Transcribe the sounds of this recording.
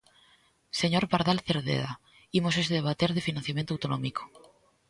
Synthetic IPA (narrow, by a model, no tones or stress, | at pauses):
se̞ɲo̞ɾpaɾðalθeɾðḛða | imoseseβat̪eɾðe̞finãn̟θjamjent̪owt̪onõ̰miko̥